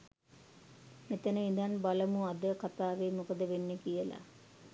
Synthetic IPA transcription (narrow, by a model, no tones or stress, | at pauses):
met̪ənəind̪anbaləmuad̪əkat̪aːʋeːmukəd̪əʋenːəkijəla̰